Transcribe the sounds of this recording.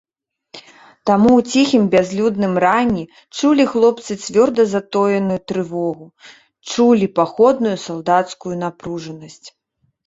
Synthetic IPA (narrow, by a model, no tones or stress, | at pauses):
t̪amuwt͡sʲixʲimbʲazʲlʲud̪nɨmranʲːi | t͡ʂulʲixlˠɔp̚t̪sɨt͡sʲvʲɔrd̪ɐzat̪ɔjɐnɨjut̪ɾɨvɔɣu | t͡ʂulʲipaxɔd̪̚nujusalˠd̪at̪skujun̪apɾuʐɐnɐsʲt͡sʲ